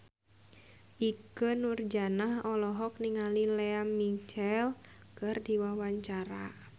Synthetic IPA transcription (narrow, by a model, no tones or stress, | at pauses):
ʔikənurd͡ʒanahɔlɔɦɔk̚niŋalilɛamit͡ʃɛlkɨrdiwawaɲt͡ʃaɾa